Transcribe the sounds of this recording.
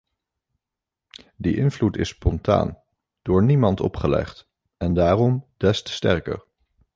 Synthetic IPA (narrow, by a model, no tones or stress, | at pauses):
diʔɪnvlutɪspɔnta̰ːn | d̥ʊːɹnimɑntɔ̰pχəlɛ̰χt | ɛndaːrɔmd̥ɛstə̥stɛɹkə̰ɹ